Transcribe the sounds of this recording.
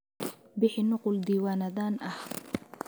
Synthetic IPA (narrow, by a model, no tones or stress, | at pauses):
bɪħɪnʊqʊld̪iːwaːnɐðaːnʔɐh